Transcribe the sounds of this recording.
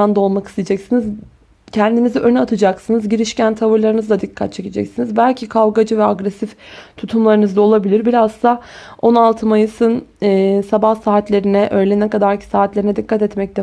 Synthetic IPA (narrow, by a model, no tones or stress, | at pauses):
and̪aolˠmakɯ̥st̪ʰed͡ʒɛcsiniz | cʰɛnd̪iniziʔø̞nat̪ʰɯd͡ʒaksɯnɯzɟiɾiʃcænt̪ʰavɯɾlˠaɾɯnɯzd̪ad̪ikʰːat̪̚t͡ʃʰe̞cʰed͡ʒɛ̰csinizbælʲcʰikʰalˠɡad͡ʒɯvɛaɡɾɛsift̪ʰut̪ʰumlˠaɾɯnɯzd̪ao̞lˠabilʲiɾbiɾazst̪ao̞nalˠt̪ʰɯmajɯsɯnɯːsabahsaːt̪lʲe̞ɾinɛʔø̞jlʲenɛkad̪aɾcʰi̥saːt̪lʲeɾinɛd̪ikːat̪ɛt̪mɛc̚t̪ɛ